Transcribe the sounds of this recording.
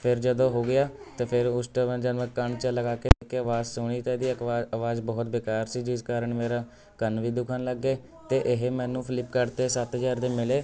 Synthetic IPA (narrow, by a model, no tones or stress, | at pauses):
pʰɪɾd͡ʒəd̪õːɦoːɡɪjaːt̪eːpʰɪɾʊsʈəʋə̃ːd͡ʒənʋəkəɳt͡ʃələɡaːkeːekːeəʋaːzsʊɽiːt̪ɛ̃ːd̪iːəaʋaːzbɔːt̪beːkaːɾsiːd͡ʒɪskaːɾəɳmeːɾaː | kənʋiːd̪ʊkʰənləɡːeː | t̪eːʔɪɦemɛ̃ːnũːpʰɪlɪpkəɾt̪eːsət̪ɦzaːɾd̪eːmɪleː